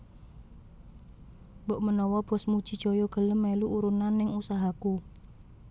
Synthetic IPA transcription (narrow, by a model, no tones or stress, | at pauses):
bɔʔmənɔwɔb̥ɔ̤smu̥ʒ̥i̤d͡ʒ̥ojɔɡ̥ə̤ləmːeluʔuɾunanːɪŋusaɦaku